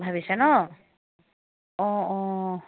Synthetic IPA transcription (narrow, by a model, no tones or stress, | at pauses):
bʱabisɛnɔ | ɔ̃ɔ